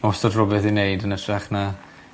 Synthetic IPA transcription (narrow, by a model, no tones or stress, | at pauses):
ɔsɔdrɔbɛθinejdənətʰraχna